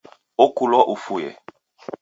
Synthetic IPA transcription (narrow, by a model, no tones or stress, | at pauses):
okulɔʔofojɛ̰